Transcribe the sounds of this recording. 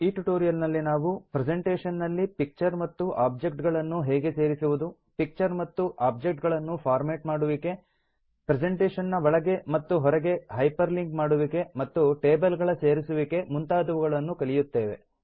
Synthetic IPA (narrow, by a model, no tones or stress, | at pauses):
iːʈuʈoːɾijɐlnɐlːinaːʋupɾɛd͡ʒeɳʈeːʂɐnːɐlːipik̚t͡ʃɐɾmɐt̪ːuʔaːb̚d͡ʒek̚ʈɡɐɭɐnːuɦɛːɡe̞se̞ːɾisuʋud̪u | pik̚t͡ʃɐɾmɐt̪ːuʔaːb̚d͡ʒek̚ʈɡɐɭɐnːupʰaːɾmeːʈmaːɽuʋike̞ | pɾed͡ʒeɳʈeːʃɐnːɐʋɐɭɐɡe̞mɐt̪ːuɦɔɾɐɡe̞ɦɐjpɐɾliŋkmaːɽuʋike̞mɐt̪ːuʈeːbɐlɡɐɭɐseːɾisuʋike̞munt̪aːd̪ɐʋuɡɐɭɐnːukɐɭijut̪ːeːʋe̞